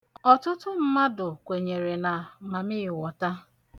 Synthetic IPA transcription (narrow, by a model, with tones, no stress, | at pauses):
ɔ˨tʊ˦tʊ˦m̩˦ma˦dʊ˨kʷe˨ɲe˨ɾe˨na˨ma˨mɪ˦ɪ˨wɔ˨ta˦